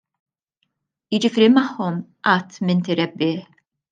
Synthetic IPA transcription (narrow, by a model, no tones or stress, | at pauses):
jɪd͡ʒɪfiːɾimɐħːɔmʔɐt̪ːmɪnt̪ɪɾɛbːɪːħ